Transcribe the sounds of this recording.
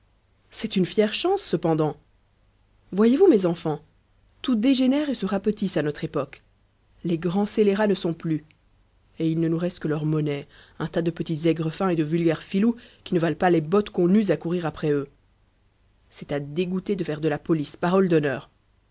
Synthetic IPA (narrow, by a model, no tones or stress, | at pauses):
sɛt̪ynfjɛʁʃɑ̃sːəpɑ̃d̪ɑ̃ | vwajevumɛzɑ̃fɑ̃ | t̪ud̪eʒenɛʁesəʁapət̪isanɔt̪χepɔk | leɡʁɑ̃seleʁanəsɔ̃ply | eilnənuʁɛst̪kəlœʁmɔnɛ | ɛ̃t̪ad̪əpət̪izɛɡʁəfɛ̃ed̪əvylɡʲɛʁfilukʲinəvalpalebɔt̪kɔ̃nyzakuʁiʁapχɛø | sɛt̪ad̪eɡut̪ed̪əfɛʁd̪əlapɔlispaʁɔld̪ɔnœːʁ